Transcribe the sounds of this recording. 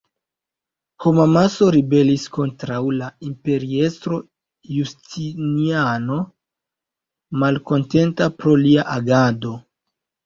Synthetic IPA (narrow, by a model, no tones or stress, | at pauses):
homamaso̞ɾibe̞lisko̞ntɾawlaimpe̞ɾie̞stɾo̞ | justiniano̞ | malko̞nte̞ntapɾo̞liaʔaɡado̞